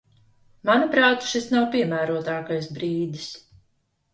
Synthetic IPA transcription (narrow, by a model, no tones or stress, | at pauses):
manapɾaːt̪ʃisnawpʲiɛmæːɾuɔt̪aːkajsbɾiːd̪is